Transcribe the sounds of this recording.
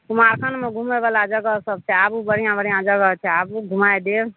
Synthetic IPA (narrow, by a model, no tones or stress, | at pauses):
kumaɾkʰənmeɡʱumebalad͡ʒəɡəsəb̚t͡ʃʰɛabubəɽ̤ijãbəɽijãd͡ʒəɡət͡ʃʰɛabuɡʱumaed̪eɾ